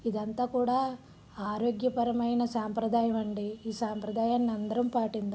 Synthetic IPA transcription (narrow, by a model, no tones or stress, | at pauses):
id̪ɐnt̪ɐkuːɽaː | aːɾoːɡjɐpɐɾɐmɐjnɐsaːmpɾɐd̪aːjɐmɐɳɖiiːsaːmpɾɐd̪aːjaːnnɐnd̪ɐɾɐmpaːʈind̪u